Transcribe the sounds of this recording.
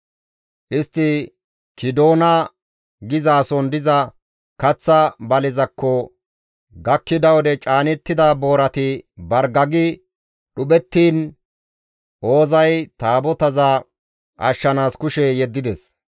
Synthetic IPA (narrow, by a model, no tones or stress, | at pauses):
ʔɪst̪ːɪ | kɪd̪o̞ːnɐ | ɡɪzaːsɔnd̪ɪzɐ | kɐt͡sːɐbɐlɪzɐkːɔ | ɡɐkːɪd̪ɐwɔd̪ɛt͡ʃʼaːnɛt̪ːɪd̪abo̞ːɾɐt̪ɪbɐɾɡɐɡɪ | ɗʊɓɛt̪ːiːn | ʔo̞ːzɐjt̪aːbɔt̪ɐza | ʔɐ̰ʃːɐnaːskʊʃɛjɛd̪ːɪd̪ɛs